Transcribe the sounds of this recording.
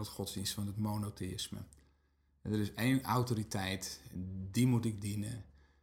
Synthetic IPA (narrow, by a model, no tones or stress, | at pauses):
ɔtχɔtzdinstfɔndətmonoteɪsmə̰ | dərɪsejnawtoɾitʰɛjtdimutɪɡ̚dinə̰